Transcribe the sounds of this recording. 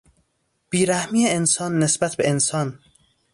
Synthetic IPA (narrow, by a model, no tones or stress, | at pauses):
b̥iːɾæhmiːeensɒːnːesbæt̪ʰbeensɒːn